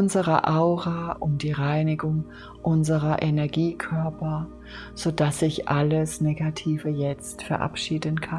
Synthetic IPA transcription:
ʊnzəʁɐʔaʊʁaːʔʊmdiːʁaɪnɪɡʊŋ | ʔʊnzəʁɐʔenɛɐɡiːkʰœɐpɐ | z̥odasɪçʔaləsneːɡatʰiːvəjɛt͡stfɛɐʔa̰pʃiːdənkʰan

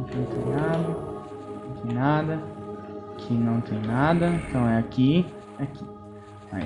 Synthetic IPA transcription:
kɪnɐ̃w̃t̪ẽj̃nad̪ɐ | ɐ̃t̪ẽj̃nad̪ɐ | kʰɪnɐ̃w̃t̪ẽj̃nad̪ɐẽnt̪ɐ̃w̃ɛaki | aki | a̰

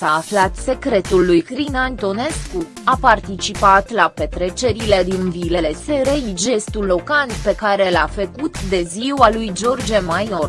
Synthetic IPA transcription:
saːflat̪se̞kɾe̞t̪ulːujkɾinant̪o̞ne̞sku | apart̪it͡ʃipat̪lape̞t̪ɾe̞t͡ʃe̞ɾile̞d̪invile̞le̞seɾejd͡ʒe̞st̪ulːo̞kanpe̞kaɾe̞lafəkut̪d̪e̞ziwalujd͡ʒo̞rd͡ʒemajo̞r

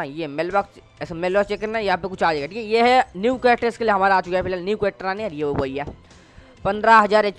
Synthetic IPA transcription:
ãjemeːlbaks | smeːlat͡ʃeːkəɾnajɐɦãpekʊt͡ʃʰaːd͡ʒeːɡaʈʰiːkɛjeɦɛnjuːkeːʈeɪskelieɦɐmaːɾaːt͡ʃʊkaɦɛpʰɪlaːlnjuːkeːʈːəɾanĩajeoɦoiɦɛː | pɐ̃nd̪ɾaɦɐzaːɾe

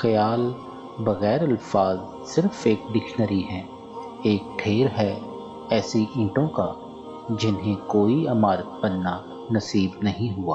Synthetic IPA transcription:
xɐjaːl | bɐɣɛːɾɐlfaːz | sɪɾfeːk̚ɖɪkʃnəɾiɦɛ̃ː | eːk̚ʈʰeːɾɦɛ | ɛːsiʔɪ̃ːʈõka | d͡ʒɪnɦẽkoːiɐmaːɾət̪̚bɐnːa | nɐsiːbnɐɦĩɦuaː

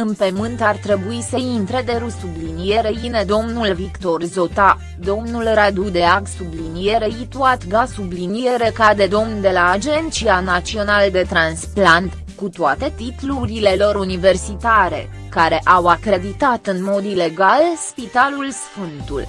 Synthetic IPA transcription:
ɨnpemɨnt̪art̪ɾe̞buisəint̪ɾe̞d̪e̞ɾusublinije̞ɾeine̞d̪o̞mnulvikt̪o̞rzo̞t̪a | d̪o̞mnulrad̪ud̪e̞aɡsublinije̞ɾeit̪uat̪ɡasublinijeɾekad̪e̞d̪o̞mnd̪e̞laːd͡ʒe̞nt̪t͡ʃianat̪t͡ʃsio̞nald̪e̞t̪ɾansplant̪ | kut̪oat̪e̞t̪it̪luɾile̞lo̞ɾunive̞rsit̪aɾe̞̰ | kaɾe̞ʔawakɾe̞d̪it̪at̪ɨnmo̞d̪ile̞ɡalspit̪alulsfɨnt̪ṵl

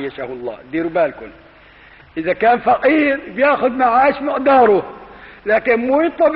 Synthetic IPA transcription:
jːaʃahlˤːɑ̰ːd̪iːɾbaːlkʊl | ʔɪzakaːnfɑqiːɾbjaːxʊd̪maʕaːʃmɪqd̪ɑːɾˤʊlaːkɪnmuːjɪt̪ˤːɑb

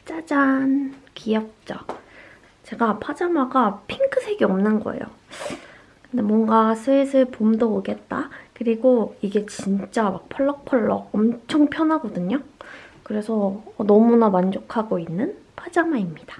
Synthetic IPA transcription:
t͡ɕ͈ad͡ʑankijʌk̚t͡ɕ͈ʌ̰ | t͡ɕe̞ɡapʰad͡ʑamaɡapʰiŋkʰɯsʰe̞ɡiʌmnɯnɡʌ̰ḛjo̰ | kkɯnde̞mwʌŋɡasʰɯesʰɯɭpomdʌoɡe̞t̚t͈akɯɾiɡoiɡe̞t͡ɕint͡ɕ͈amak̚pʰʌɭːʌk̚pʰʌɭːʌʌmt͡ɕʰʌŋpʰjʌnɦaɡʌdɯɲokɯɾe̞sʰʌːnʌmunamand͡ʑokʰaɡoinːɯnpʰad͡ʑamaimɲid̥ḁ

